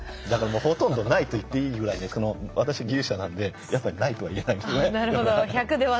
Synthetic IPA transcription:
d̪akaɾamo̞ːho̞t̪õ̞nd̪o̞nait̪o̞it̪ːe̞iːɡɯ̟ɾaineso̞no̞βat̪aɕiβaɡʲɨ̟ːɕanãnd̪e̞ | japːaɾʲinait̪o̞βaie̞naind̪esjonenaɾɯod̪oçakɯ̟d̪e̞βa

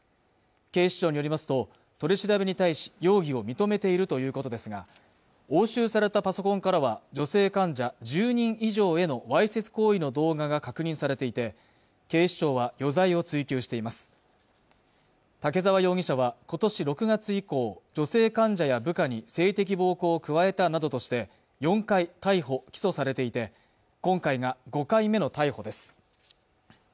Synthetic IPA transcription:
ke̞ːɕi̥t͡ɕo̞ːɲijo̞ɾimasɨ̥t̪o̞ | t̪o̞ɾʲeɕiɾabeɲ̟it̪aiɕi̥jo̞ːɡʲio̞mʲit̪o̞me̞t̪e̞iɾɯ̟t̪o̞jɯ̟ːko̞t̪o̞d̪e̞sɨɡa̰ | o̞ːɕɨːsaɾe̞t̪apaso̞kõ̞ŋkaɾaβad͡ʑo̞se̞ːkãɲd͡ʑad͡ʑɨːɲ̟ĩɰ̃ʔiʑo̞ːe̞no̞βaise̞t͡sɨ̥ko̞ːino̞d̪o̞ːɡaɡakakɯ̟ɲ̟ĩɰ̃saɾe̞t̪e̞it̪e̞ | ke̞ːɕi̥t͡ɕo̞ːβajo̞zaio̞t͡sɨikʲɨːɕi̥t̪e̞imasɨ̥ | t̪ake̞zaβ̞ajo̞ːɡʲiɕaβako̞t̪o̞ɕiɾo̞kɯ̟ɡat͡sɨiko̞ːd͡ʑo̞se̞ːkãɲd͡ʑajabɯ̟kaɲ̟ise̞ːt̪e̞k̬ʲibo̞ːko̞ːkɯ̟βae̞t̪anad̪o̞t̪o̞ɕi̥t̪e̞ | jõ̞ŋkait̪aiɦo̞kʲi̥so̞saɾe̞t̪e̞it̪e̞ | kõ̞ŋkaiɡaɡo̞kaime̞no̞t̪aiho̞d̪e̞sɨ̥

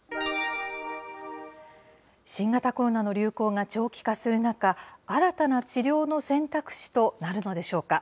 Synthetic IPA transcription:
ɕĩŋɡat̪ako̞ɾo̞nano̞ɾʲɨ̟ːko̞ːŋat͡ɕo̞ːkʲi̥kasɨɾɯ̟nakaaɾat̪anat͡ɕiɾʲo̞ːno̞sẽ̞nt̪akɯ̟̥ɕi̥t̪o̞naɾɯ̟no̞d̪e̞ɕo̞ːka

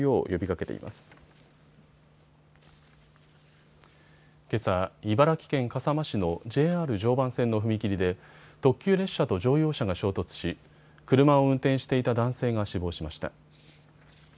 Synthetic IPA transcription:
io̞ːjo̞bʲikake̞t̪ḛḭmʔa̰sɨ̥ | ke̞saibaɾakʲi̥kẽ̞ŋkasamaɕino̞d͡ʑe̞ːaːɾɯ̟ʑo̞ːbãɰ̃sẽ̞nːo̞ɸɯ̟mʲikʲiɾʲid̪e̞t̪o̞kʲːɨːɾe̞ɕːat̪o̞ʑo̞ːjo̞ːɕaɡaɕo̞ːt̪o̞t͡sɨ̥ɕi | kɯ̟ɾɯ̟mao̞ɯ̟̃nt̪ẽ̞ɰ̃ɕi̥t̪e̞it̪ad̪ãɰ̃se̞ːɡaɕibo̞ːɕimaɕi̥t̪a̰

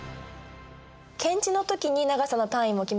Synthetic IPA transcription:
kʰẽ̞ɲt͡ɕino̞t̪o̞kʲiɲ̟inaɡasano̞t̪ãɰ̃ĩmo̞kʲim

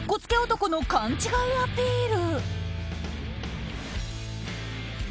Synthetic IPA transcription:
ko̞t͡sɨ̥ke̞ot̪o̞kono̞kãɲ̟t͡ɕiɡaɯβat̪ːe̞iɾɯ̟

